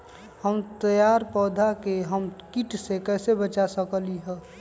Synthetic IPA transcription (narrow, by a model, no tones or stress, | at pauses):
həmt̪əjaɾpɔːd̪ʱakeɦəmkiʈsekɛːsebət͡ʃasəkliɦɛː